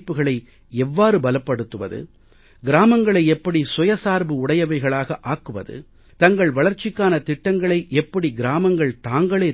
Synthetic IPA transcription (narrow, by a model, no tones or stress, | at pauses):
pːɯɣɐɭɐɪ | ɛʋːaːɾɯbɐlɐpːɐɽɯt̪ːɯʋɐ̰ðɯ̰ | ɡɪɾaːmɐŋɡɐɭɐɪɛpːɐɽisʊjɐsaːɾbɯʊɽɐjɐʋɐɪɣɐɭaːɣɐʔaːkːɯʋɐ̰ðɯ̰ | t̪ɐŋɡɐɭʋɐɭɐɾt͡ʃːɪkːaːnɐt̪ɪʈːɐŋɡɐɭɐɪʔɛpːɐɽiɡɪɾaːmɐŋɡɐɭt̪aːŋɡɐɭeː